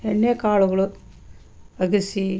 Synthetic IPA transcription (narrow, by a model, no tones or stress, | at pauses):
enːekaːɭuɣɐɭu | ɐɡisi